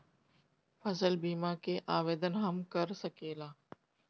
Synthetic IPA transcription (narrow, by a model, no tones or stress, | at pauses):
fəsəlbiːmaːkeʔaːʋeːd̪ənɦəmkəɾsəkeːlaː